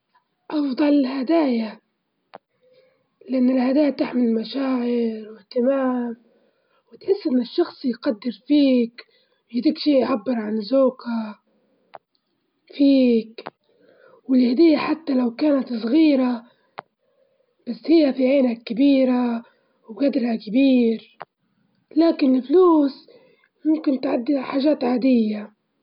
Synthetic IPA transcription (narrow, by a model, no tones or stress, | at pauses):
ʔɑfd̪ˤɑlɪhad̪aːja | lɪʔanːɪlhad̪aːjat̪ɪħmɪlmaʃaːʕɪɾwɪht̪ɪmaːm | wɪt̪ħɪsːʔɪnːɪʃːɑxsˤijqad̪ːɪɾfiːk | wjd̪iːkʃiːʔʕabːɪɾʕanzoːka | fiːk | wɪlhad̪ɪjːaħat̪ːalawkaːnat̪sˤɣiːɾa | b̥asːhɪjːafiʕeːnakabiːɾa | wɡad̪ɾhakɪbiːɾ | laːkɪnɪlfluːs | mʊmkɪnt̪ʕad̪ːiħaːʒaːt̪ʕaːd̪ɪjːa